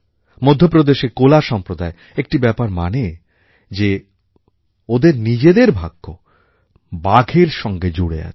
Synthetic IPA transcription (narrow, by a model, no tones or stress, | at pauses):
mod̪ʱːjopɾod̪eʃekolaʃɔmpɾod̪ae | ek̚ʈibɛpaɾmane | d͡ʑe | od̪eɾnid͡ʑed̪eɾbʱaɡːo | baɡʱeɾʃɔŋɡed͡ʑuɽḛa̰